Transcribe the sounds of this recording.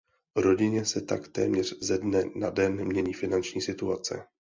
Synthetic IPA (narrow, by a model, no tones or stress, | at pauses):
vɾo̞ɟɪɲɛsɛt̪akt̪ɛ̰ːmɲɛr̝̥zɛdnɛnadɛnmɲɛɲiːfɪnant͡ʃɲiːsɪt̪uat͡sɛ̰